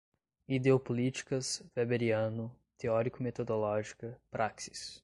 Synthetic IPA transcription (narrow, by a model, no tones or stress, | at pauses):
id̪eopolit͡ʃi̥kɐzvebeɾiɐ̃nʊ | t̪eɔɾikʊmet̪od̪olɔʒikɐpɾʔaksi̥s